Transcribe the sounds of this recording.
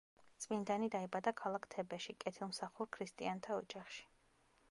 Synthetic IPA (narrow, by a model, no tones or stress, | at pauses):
t̪sʼmind̪anid̪aibad̪akʰalˠakʰt̪ʰɛbɛʃikʼɛt̪ʰilˠmsaχuɾkʰɾist̪ʼiant̪ʰaɔd͡ʒaχʃi̥